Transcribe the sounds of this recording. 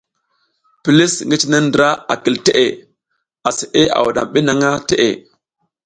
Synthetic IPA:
pi˨li˦sŋɡi˦t͡ʃi˦na˦ndɾa˦a̰˨ki˨lte˦ʔe˨ | a˨se̥˨ʔe˦ʔa̰˨wɗa̰˨mɓi˦na˨ŋa˦te˦ʔḛ˨

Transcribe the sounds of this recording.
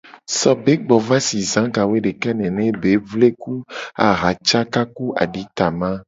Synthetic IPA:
sɔ˨be˦ɡ͡bɔ˨va˦si˨zã˨˦ka˨we˦ɖe˨kɛ˦nɛ̃˨nɛ̃˦be˨˦vle˦ku˦a̰˨ɦa˨t͡ʃa˦ka˦ku˦a̰˨ɖi˦t̪a˨mã˦

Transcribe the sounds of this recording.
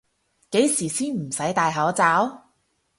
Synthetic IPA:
ke˨˥jsiː˨˩siː˥nm̩˨˩sɐ˨˥jt̪aː˨jɦaː˨˥t͡saː˨˥w

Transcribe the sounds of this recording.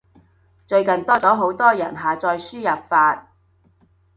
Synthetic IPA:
t͡ʃɵ˧ɥkɐ˨nt̪ɔː˥t͡sɔː˨˥ɦo˨˥wt̪ɔː˥jɐ̰˨˩nɦaː˨t͡sɔː˧jsyː˥jɐ˨p̚faː˧t̚

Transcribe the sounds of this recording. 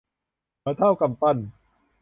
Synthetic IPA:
mɤː˧˦t̪ʰa˥˩wka˧˩mpa˥˩n

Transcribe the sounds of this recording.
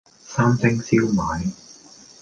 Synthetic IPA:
saː˥mt͡sɪ˥ŋsiː˥wmaː˨˥j

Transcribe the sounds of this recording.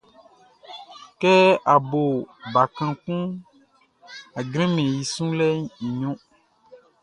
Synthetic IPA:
kɛ˦a˨bo˨ba˨kã˨kũ˦ | a˨ɡɾĩ˦mẽ˨ji˨sũ˦lɛ˦i˨ɲɔ̃˦

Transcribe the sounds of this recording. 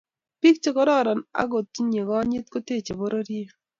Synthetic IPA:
pi˦k̚t͡ʃe˦kɔ˦ɾɔ˦˨ɾɔ˨na̰˨˦ɡo˨tːi˦ɲe˨ɡɔ˦ɲɪ˦t̪ko˦te˦˨t͡ʃe˨bo˦ɾo˦ɾje˦

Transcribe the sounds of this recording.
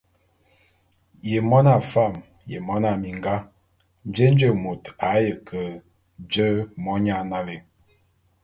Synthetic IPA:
je˨mɔ˦na˨fa˦˨m | je˨mɔ˦na˨mi˨ŋ˦ɡa˦ | n˨d͡ʒə˦n˦d͡ʒə˦˨mo˨ta˨˦jə˨kʰə˨ | d͡ʒə˦mɔ˦ɲa˦˨na˦le˨

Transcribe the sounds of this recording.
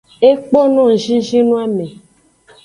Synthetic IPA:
e˦k͡po˦nɔ̃˦˨ʒĩ˦ʒi˦nũ˦a˦me˨

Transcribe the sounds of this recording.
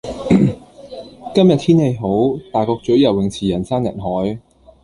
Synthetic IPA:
kɐ˥mjɐ˨t̪̚ʰiː˥nhe˨˧jɦo˨˥wt̪aː˨jkɔː˧k̚t͡sɵ˨˥jɐ˨˩wɪ˨ŋt͡sʰiː˨˩jɐ˨˩nsaː˥ŋjɐ̰˨˩nɦɔː˨˥j

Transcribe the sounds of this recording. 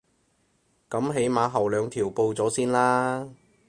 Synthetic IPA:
kɐ˨˥mɦe˨˥jmaː˨˧ɦɐ˨˩wlœː˨˧ŋt̪ʰiː˨˩wpo˧wt͡sɔː˨˥siː˥nlaː˥

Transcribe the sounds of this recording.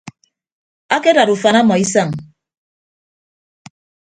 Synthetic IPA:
a˦ke˦da˨ɾu˨fa˨na˦mɔ˨i˦sa˦˨ŋ

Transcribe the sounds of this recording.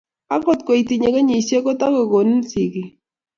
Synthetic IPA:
a̰˦kɔ˦˨t̪̚ko˨i˨ti˨ɲe˨ke˦ɲi˨sje˦ko˦ta˦kɔ˨ɡo˨n˦si˨ki˨

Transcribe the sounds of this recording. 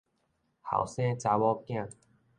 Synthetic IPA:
ha̰˨˩wsɛ̃˥t͡sa˨˥wɔ˥˧kjã˥˧˨ŋ

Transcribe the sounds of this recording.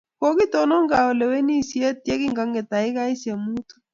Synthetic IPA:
kɔ˦ki˦tɔ˦nɔ˦ŋɡa˨ɔ˨lɛ˨wɛ˦ni˦sje˦t̪je˦ki˦ŋɡa˦ŋɡɛ˨ta˨ɪ˦ka˦ɪ˦sja˨mu˦tu̥˦

